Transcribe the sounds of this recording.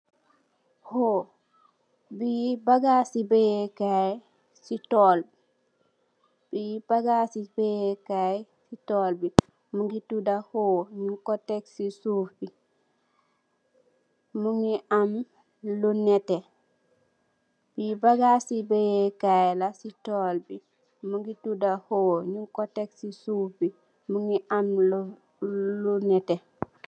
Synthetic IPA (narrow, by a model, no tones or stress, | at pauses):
ho | bibaɡasibejekaj | sitoːl | b̥ib̥aɡasibejekaj | sitoːlbi | muŋɡitudahoːɲukoteksisufbi | muŋiʔam | lunete | bibaɡasibejekajlasitoːlbi | muŋɡitudahoɲuŋkoteksisuːfbi | muŋiʔaml | lunɛte